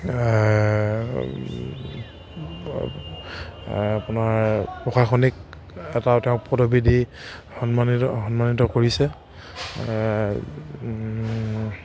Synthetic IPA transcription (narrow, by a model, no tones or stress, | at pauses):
apunaɹpɹɔxaxɔnik̚ | ɛtawtɛʊ̃k̚pɔdobidi | hɔnmaniɦɔnmanitɔkoɹisɛ